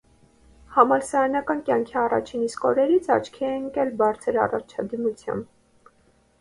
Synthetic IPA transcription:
hɑmɑlsɑjɑnɑkɑnkjɑŋkʰiɑrɑ̰t͡ʃʰiniskɔɾɛɾit͡sʰɑ̰t͡ʃʰkʰɛɛŋkɛlbɑɾt͡sʰəɾɑ̰rɑt͡ʃʰɑd̪imut͡sʰjɑ̰mb

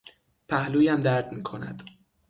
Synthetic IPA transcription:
pʰæhluːjæmd̪æɾd̪miːkʰo̞næ̰d̪̥

